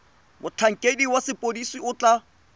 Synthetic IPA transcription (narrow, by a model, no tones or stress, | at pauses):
mʊt͡ɬʰaŋ̩kʼediwasɪpʼodisiʊt͡ɬa